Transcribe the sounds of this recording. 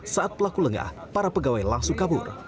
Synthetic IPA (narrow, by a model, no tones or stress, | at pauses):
saʔat̪̚pəlakuləŋa̰h | paɾapəɡawajlaŋsʊŋkabʊ̰r